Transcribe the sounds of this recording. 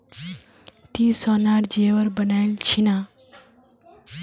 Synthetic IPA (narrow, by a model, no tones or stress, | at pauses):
t̪iːsɔnaːɽd͡ʒeʋəɾbənaːilt͡ʃʰina